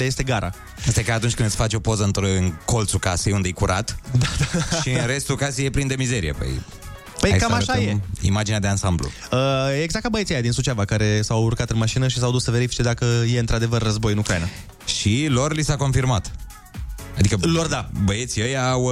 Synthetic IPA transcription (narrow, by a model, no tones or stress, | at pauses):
d̪aje̞st̪e̞ɡaɾa | əst̪ajekaːt̪unt͡ʃʲkɨnɨt̪fat͡ʃo̞po̞zəɨnt̪ɾoɨnko̞lt̪sukasejund̪ejkuɾʔa̰t̪d̪ad̪aiɾe̞st̪ukasejeplind̪e̞mize̞ɾḭḛpə̰j | pəjkammaʃajeḭmad͡ʒinead̪eansamblṵ | əjeeɡzakt̪abəjet̪siajad̪insut͡ʃavakaɾe̞sawurkat̪ɨnmaʃinəʃis̬awd̪usəve̞ɾifi̥t͡ʃe̞d̪akəje̞ɨnt̪ɾad̪evərːəzbo̞jɨnukɾaina | ʃilo̞rlisako̞nfirmat̪ | ad̪ikəlord̪abəet̪siəjaw